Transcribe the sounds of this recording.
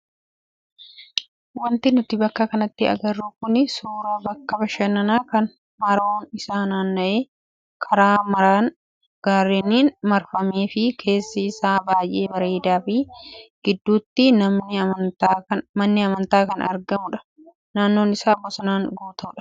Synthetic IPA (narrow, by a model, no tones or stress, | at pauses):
wɐnt̪ɪnʊt̪ɪbɐkːɐkɐnɐt̪ːɪɐ̰ɡɐrːukʊnɪsuːɾɐbɐkːɐbɐʃɛnɐnaːkɐn | mɐɾoːnɪsaːnaːnːɐʔeː | kʰɐɾaːmɐɾaːn | ɡ̥aːɾːɛniːnmɐɾfɐmeːfɪkʰe̞ːsːɪːsaːbaːjʔe̞ːbɐɾe̞ːd̪aːfɪɡ̥ɪd̪ːuːt̪ːɪnɐmnɪɐt̪aɐmɐnːɪɐmɐnt̪aːkɐnɐ̰ɾɡɐmʊᶑɐ̥ | naːnːo̞ːnɪsaːbːɔsɐnaːŋɡuːt̪ɐʊᶑɐ̥